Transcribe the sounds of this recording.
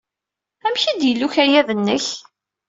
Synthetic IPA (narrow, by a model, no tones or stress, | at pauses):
æmçid̪jəlːuçæjæðənːəç